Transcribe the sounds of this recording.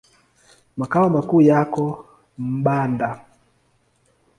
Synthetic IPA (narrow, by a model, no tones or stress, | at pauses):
makaɔmakuːjakɔ | m̩ɓanda